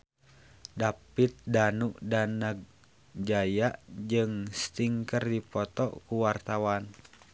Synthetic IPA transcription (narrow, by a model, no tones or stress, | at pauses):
dapit̪̚danuʔdanəɡ̚ | d͡ʒajaʔd͡ʒɨŋst̪iŋkərdipɔt̪ɔkuwart̪awan